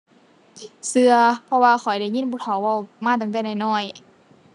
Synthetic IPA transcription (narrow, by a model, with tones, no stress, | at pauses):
sɯ˧ɐpʰɔ˧waː˧xʰɔ˨˩jda˧˩jɲi˧˥˨buː˧˩t̪ʰa˨˦wwa˧˩wmaː˧˥˩t̪̬a˨˩ŋt̪ɛ˧˥˩nda˧˩jnɔː˧˩j